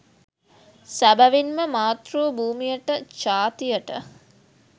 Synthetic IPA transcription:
sæbɐʋinməmaːt̪ruːbʱuːmijəʈət͡ʃaːt̪ijəʈə̰

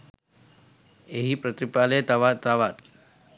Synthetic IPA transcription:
eɦipɾət̪ɾipalet̪aʋat̪ːaʋat̪̚

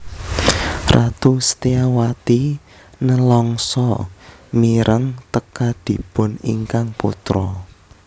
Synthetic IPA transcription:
rʔat̪usət̪eawat̪i | nəlɔŋsɔmiɾʔəŋt̪əkad̪̥i̤pʊnḭŋkaŋpṵt̪ɾɔ

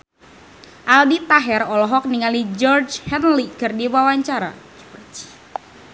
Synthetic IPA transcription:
ʔalbit̪aɦɛrɔlɔɦɔk̚niŋalid͡ʒɔrd͡ʒhɛnlikɨrdiwawaɲt͡ʃaɾa̰d͡ʒɔt͡ʃ

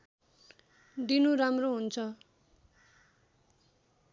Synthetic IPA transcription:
ɖinuɾamroɦunt͡sʰʌ

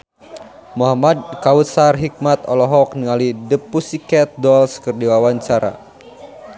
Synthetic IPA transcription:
muɦamad̚kaut̪sarɦik̚mat̪ɔlɔɦɔk̚niŋalidəpusikɛt̪̚dɔlskɨrdiwawaɲt͡ʃaɾa̰

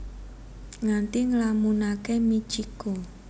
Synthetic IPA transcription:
ŋant̪iŋəlamunakemit͡ʃiko

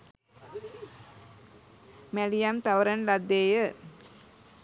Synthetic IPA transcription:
mælijamt̪aʋəɾɐnlad̪ːeːjə

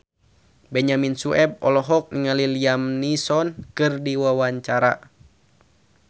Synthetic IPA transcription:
bɛɲaminsuɛb̚ɔ̰lɔɦɔk̚niŋaliliamnisɔnkɨrdiwawaɲt͡ʃaɾa̰

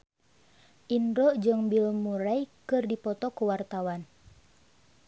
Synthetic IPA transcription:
ʔinɾɔʔd͡ʒɨŋbilmuɾajkɨrdipɔt̪ɔkuwart̪awan

